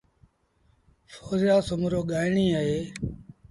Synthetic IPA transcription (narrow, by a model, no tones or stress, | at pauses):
foːzjaːsʊmɾoːɠaːɪɳiːaɦeː